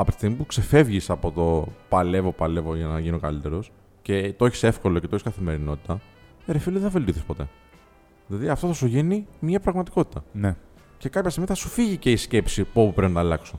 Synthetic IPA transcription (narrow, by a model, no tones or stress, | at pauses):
ɐpot̪i̥st̪iɣmipukse̞fe̞vʝisɐpo̞t̪o̞pɐle̞vo̞pɐle̞voʝɐnɐʝino̞kɐlit̪e̞ɾo̞s | ce̞t̪oeçi̥se̞fko̞locet̪oçiskɐθime̞ɾino̞t̪i̥t̪ɐ | eɾefiliðeθɐve̞lt̪ioθispo̞t̪e̞̰ | ðilɐðiɐft̪oθɐsuʝinimiɐpɾɐɣmɐt̪iko̞t̪i̥t̪ɐne | ce̞kɐpçɐst̪iɣmiθɐsu̥fiʝice̞isce̞psipuopupɾeinɐt̪ɐlɐkso